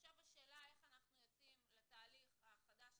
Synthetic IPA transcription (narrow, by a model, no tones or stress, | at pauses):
ʃavaʃeːlae̞χanaχnujot͡simlet̪aːliχaχad̪aʃ